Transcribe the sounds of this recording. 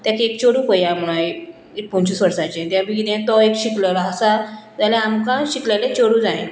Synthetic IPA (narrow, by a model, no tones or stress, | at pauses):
t̪jakek̚t͡ɕoɽũːpəjam̤uɽ̃aj | epɔ̃ɲt͡ɕisʋəɾsãt͡ɕẽt̪jãbiɡid̪ẽt̪ɔekɕikləlaɦəsad͡zaljãamkãɕiklalẽt͡ɕoɽũd͡zaĩ